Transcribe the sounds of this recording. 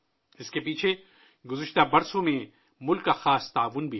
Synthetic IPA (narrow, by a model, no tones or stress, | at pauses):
ɪskepiːt͡ʃʰe | ɡʊzɪʃt̪abɐɾsõmẽ | mʊlkːaxaːst̪aːʋʊnbʱi